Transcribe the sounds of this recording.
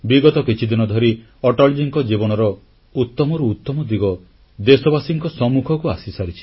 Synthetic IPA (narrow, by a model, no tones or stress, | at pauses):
biɡɔt̪ɔkit͡ʃʰid̪inɔd̪ʱɔɾi | ɔʈɔld͡ʒiŋkɔd͡ʒibɔɽ̃ɔɾɔ | ut̪ːɔmɔɾuːt̪ːɔmɔd̪iɡɔ | d̪esɔbasiŋkɔsɔmːukʰɔkuasisaɾit͡ʃʰi̥